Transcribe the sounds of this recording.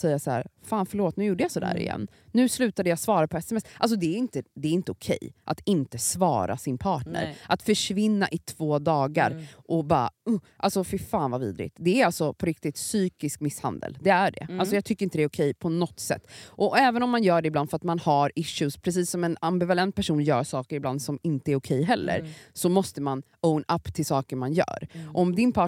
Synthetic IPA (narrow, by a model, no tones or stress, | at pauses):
sɛjːasaæ̰ːɾfaːnfœɭoːt̪nʉ̟juːɖəjasɔd̪æ̰ːɾɪ̰jɛ̰nː | ʉ̟ːslʉ̟ːt̪ad̪əjasvɑːɾapʰɔɛsɛmɛsʔals̬ɔd̪ɛæɾɪnt̪əd̪ɛːɾɪnt̪əʊkʰɛ̰jʔat̪ɪnt̪əsvɑ̰ːɾa̰sɪnpʰɑːʈɳə̰ɾʔat̪fœʂvɪnːaʔɪt̪ʰv̥oːd̪ɑːɡa̰ɾʔɔbɑ̰ːa̰ʊʔalsɔfɪɾfaːnvavḭːd̪ɾɪ̰t̪d̪ɛæɾalsɔpʰɔɾɪkt̪ɪt̪syːkɪskmɪsha̰nd̪ə̰ld̪ɛæɖɛ̰alsɔjɑːt̪ʰʏkːɾɪnt̪əd̪ɛːɾʊkʰɛjpʰɔnɔt̪ːsɛ̰t̪ːʔɔɛːvənɔmːanjœːɖɛɪbland̪fœɾat̪manhaɾɪʃʉspʰɾɛs̬iːsːɔmɛnambɪvalɛnt̪̚pʰæʂuːnjœːɾsɑːkəɾɪbland̪sɔmɪnt̪əæɾʊkʰɛjɦɛlːə̰ɾsɔmɔst̪əman | ownapːt̪ʰɪlsɑːkəɾmanjœ̰ːɾɔmd̪ɪnpʰɑː